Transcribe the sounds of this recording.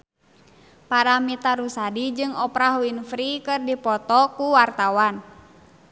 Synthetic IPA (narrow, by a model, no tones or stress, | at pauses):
paɾamit̪aɾusadid͡ʒɨŋɔpɾaɦuinfɾikɨrdipɔt̪ɔkuwart̪awan